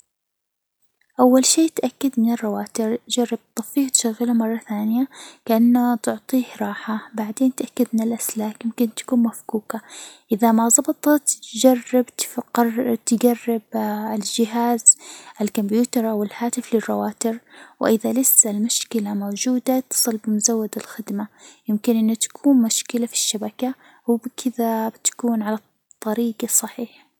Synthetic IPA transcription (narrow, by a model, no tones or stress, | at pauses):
ʔawːalʃeːt̪ʔakːad̪mɪnɪrˤːɑwaːt̪ɪɾd͡ʒɑrˤːɪb̚t̪ˤːɑfiːht̪ʃaɣːɪlamɑrˤːɑθaːnɪjakaʔanːat̪ʊʕt̪ˤiːhɾˤɑːħabaʕd̪eːnt̪ʔakːad̪mɪnɪlʔaslaːkjɪmkɪnt̪ːḁkuːnmafkuːkaʔɪðamazˤɑbt̪ˤɑt̪d͡ʒarɪbt̪ | t̪ɪɡarːɪbɪld͡ʒɪɦaːzʔɪlkʊmbjuːt̪ɑɾˤʔawɪlhaːt̪ɪflɪrˤːɑwaːt̪ɪɾwʔɪðalɪsːalmʊʃkɪlamowːd͡ʒuːd̪at̪ɨ̥sˤɨlbɪmʊzawːad̪ɪlxɪd̪majɪmkɪnʔɪnːat̪ḁkʰuːnmʊʃkɪlafi̥ʃːabaka | wɪbɪkʰɪðabɪt̪ḁkuːnʕalɑt | t̪ˤːɑɾiːɡɑsˤːɑħiːħa